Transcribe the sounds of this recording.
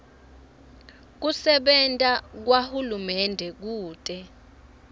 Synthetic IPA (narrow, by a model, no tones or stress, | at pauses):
k̬usɛɓɛntʼak̬wahulumɛndʱɛk̬uːtʼɛ